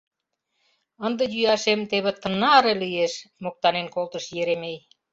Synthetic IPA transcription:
ə̆nd̪ə̆jyɑʃemt̪eβĕt̪ə̆nɑɾelieʃmok̚t̪ɑnenkolt̪ə̆ʃjeɾemej

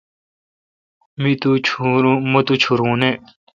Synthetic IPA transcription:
mit̪umɐt̪ut͡ɕʰuɾũːne

